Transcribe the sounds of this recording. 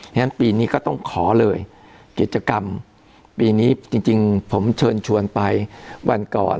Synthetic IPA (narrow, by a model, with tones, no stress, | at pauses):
a˥˧na˦˥npiː˧niː˦˥kɔː˥˩t̪ɔ˥˩ŋkʰɔː˩˦lɤː˧j | ki˨˩t̪̚t͡ɕa˧ka˧m | piː˧niː˦˥t͡ɕi˧ŋt͡ɕi˧ŋpʰo˩˦mt͡ɕʰɤː˧nt͡ɕʰu˧ənpa˧jwʔa˧nkɔ̰ː˨˩